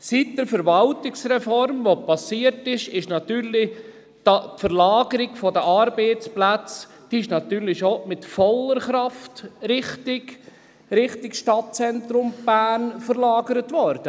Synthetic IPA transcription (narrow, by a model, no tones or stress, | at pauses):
sit̚d̥̪əɾfəɾʋɑltɪksrɛfɔɾmʋopɑsiəɾtɪʃɪʃnɑt̪yːɾlɪ | d̥ɑtfəɾlɑːɡəɾɪɡfɔdəʔɑɾbeːt͡splæt͡s | d̥iɪʃnɑt̪yːɾlɪʃomɪtfɔlːəɾχɾɑftɾɪχtɪɡ | ɾɪχtɪkʃtɑt̚t͡sɛntɾʊmb̥æːnfəɾlɑːɡəɾətvɔɾd̥ə